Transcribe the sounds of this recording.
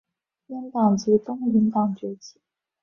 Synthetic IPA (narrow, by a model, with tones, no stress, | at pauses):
jɛ˥nt̪ɑ˥˨˩ŋt͡ɕ̩˧˥t̪ʊ˥ŋli˧˥nt̪ɑ˨˩ŋt͡ɕɥɛ˧˥t͡ɕi˧˨˩